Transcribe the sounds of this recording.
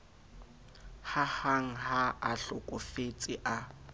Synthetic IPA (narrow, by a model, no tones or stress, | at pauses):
hahaŋ̩haaɬʊkʼʊfet͡sʼɪʔa